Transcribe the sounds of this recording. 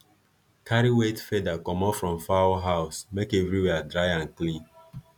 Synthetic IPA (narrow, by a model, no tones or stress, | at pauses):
kʰaɹiwetfedakɔ̃mɔfɹɔ̃mfaɦaʊsmekɛvɹiwɛadɹaɪãnklĩn